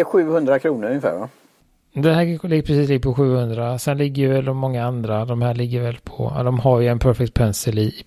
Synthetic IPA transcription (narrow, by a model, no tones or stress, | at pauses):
ɛɧʉ̟ːhɵnd̪ɾakʰɾuːnəɾɵŋəfæ̰ːɾʋa̰ | d̪ɛhæːlɪɡəpʰɾɛs̬iːs̬lɪɡːəpʰɔɧʉ̟ːhɵnd̪ɾasɛnlɪɡːəjəvɛld̪ɔmɔŋːaand̪ɾad̪ɔmhæːɭɪɡːəɾvɛlpʰɔ̰d̪ɔmhaɾjɵɛnpʰœɾfɛk̚t̪̚pʰɛnsəli